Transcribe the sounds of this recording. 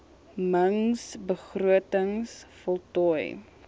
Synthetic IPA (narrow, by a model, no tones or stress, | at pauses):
məŋsbəχruətəŋsfɔlˠtɔj